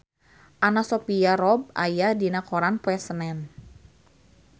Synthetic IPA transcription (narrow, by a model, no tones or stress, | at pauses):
ʔanasɔpiaɾɔb̚a̰jadinakɔɾanpwɛsənɛn